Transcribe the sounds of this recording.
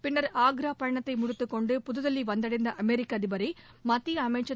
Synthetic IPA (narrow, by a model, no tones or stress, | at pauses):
pɪnːɐɾaːɡɾaːpɐɻɐɳɐt̪ːɐɪmʊɽʊt̪ːɯkːɔɳɖɯpʊðɯðɐlːiʋɐnd̪ɐɽɐɪnd̪ɐʔɐmɛɾɪkːaːðɪbɐɾɐɪmɐt̪ːiɐmɐɪʈt͡ʃːɐ